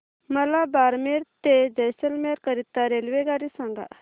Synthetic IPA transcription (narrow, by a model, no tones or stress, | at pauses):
məlabaɾmeɾt̪ed͡ʑəjsəlmeɾkəɾit̪ːaɾelʋeɡaɽisãŋɡa̰ʔ